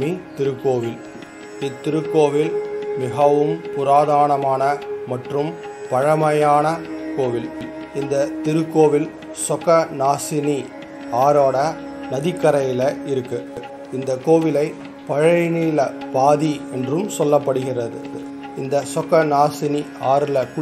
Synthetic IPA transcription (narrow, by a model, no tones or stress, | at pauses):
mit̪ɪɾɯkːoːʋɪl | ɪt̪ːɪɾɯkːoːʋɪlmɪɣɐʋɯmpʊɾaːðaːɳɐmaːnɐmɐʈrɯmpɐɻɐmɐjaːnɐkoːʋɪl | ɪnd̪ɐt̪ɪɾɯkːoːʋɪl | sɔkɐnaːsɪni | aːɾoːɽɐ | nɐðɪkːɐɾɐjɪlɐɪɾɯkːɯ | ɪnd̪ɐkoːʋɪlɐɪ | pɐɻɐɪniːlɐpaːðiɛndrɯmsɔlːɐpːɐɽɯɣɪrɐðɯ̰ | ɪnd̪ɐsɔkɐnaːsɪniaːɾɪlɐkʊ